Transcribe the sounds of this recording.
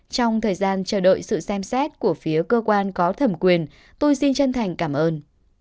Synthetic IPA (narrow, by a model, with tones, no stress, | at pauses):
t͡ɕɔ˧wŋ͡mt̪ʰəː˨˩jzaː˧nt͡ɕəː˧˩ɗo̰˧˨jsɨ̰˧˨sɛ˧msɛ˦˥t̚ku˧˩əfi˨˦əkəː˧kwaː˧nkɔ˨˦t̪ʰə˧˩mkwi˨˩ən | t̪o˧jsi˧nt͡ɕə˧nt̪ʰa˨˩jŋ̟kaː˧˩mʔəː˧n